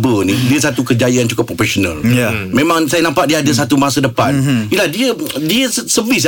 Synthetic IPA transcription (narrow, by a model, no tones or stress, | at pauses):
bənidiəsat̪ukərd͡ʒajaant͡ʃukʊpːɾofesonə̰̃ljamẽmãŋsajanãmpaʔ̚diəadəsat̪umasədəpanilahdiədiəsəvis̬